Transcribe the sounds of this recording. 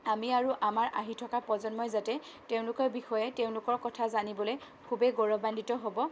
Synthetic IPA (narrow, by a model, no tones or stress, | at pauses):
amiaɹuʔamaɹʔaɦitʰɔkapɔzɔnmɔjzatɛ | teʊ̃lʊkɔɹbixɔjɛteʊ̃lʊkɔɹkɔtʰazanibɔloj | kʰubeɡɔɹɔbandʱitɔɦobɔ